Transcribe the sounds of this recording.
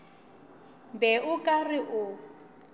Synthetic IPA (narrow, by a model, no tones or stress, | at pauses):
mbɛʊkʼarɪʔʊ